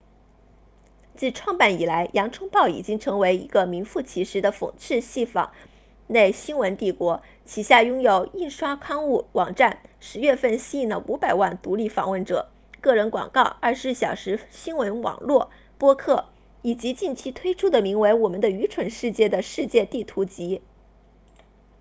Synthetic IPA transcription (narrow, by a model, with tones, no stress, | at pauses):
t͡ɕi˥˧ʈ͡ʂʰwɑ˥˧ŋpa˥˩ni˨˩la˧˥ɪjʔɑ˧˥ŋʈ͡ʂʰʊ˥ŋpɑ˥˩ʊḭ˨˩t͡ɕi˥ŋʈ͡ʂʰɤ˧˥ŋwe˧˥ɪi˧˥ɡə˧mi˧˥nfu˥˩t͡ɕʰi˧˥ʂɻ̩˧˥d̪ə˧fo̰˨˩ŋʈ͡ʂʰɻ̩˥˧ɕi˥˩fɑ̰˨˩ŋ | ne˥˩ɪɕi˥nwə˧˥nt̪i˥˩kwɔ˧˥ | t͡ɕʰi˧˩ɕja˥˩jʊ˥ŋjo˨˩ʊi˥˩nʂwa˥kʰɑ˥˧ŋu˥˩wɑ˨˩ŋʈ͡ʂa˥˩nʂɻ̩˧˥ɥɛ˥˧fə˥˩nɕi˥i˥˩nlə˩ʔu˧˥pa˨˩ɪwa˥˩nt̪u˧˥li˥˩fɑ̰˨˩ŋwə˥˩nʈ͡ʂɤ̰˨˩ | kɤ˥˩ɻə˧˥nkwɑ̰˨˩ŋkɑ˥˧ʊɐ˞˥˩ʂɻ̩˧˥ɕjɑ˨˩ʊʂɻ̩˧˥ɕi˥nwə˧˥nwɑ̰˨˩ŋlwɔ˥˩ | pwɔ˥kʰɤ˥˩ | i˨˩t͡ɕi˧˥t͡ɕi˥˩nt͡ɕʰi˥t̪ʰwe˥ɪʈ͡ʂʰu˥d̪ə˨mi˧˥ŋwe˧˥ɪwɔ˨˩mə˦nd̪ə˧y˧˥ʈ͡ʂʰwə˨˥nʂɻ̩˥˧t͡ɕjɛ˥˩d̪ə˩ʂɻ̩˥˧t͡ɕjɛ˥˧t̪i˥˩t̪ʰu˧˥t͡ɕi˧˥